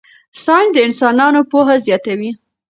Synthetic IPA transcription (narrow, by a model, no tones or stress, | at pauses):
sɑnd̪əɪnsɑnɑnopoɦazjɑt̪awi